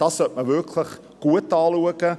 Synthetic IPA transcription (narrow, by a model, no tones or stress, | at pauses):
d̥ɑsɔtməvərkʰləχ | ɡ̥uətɑːluəkə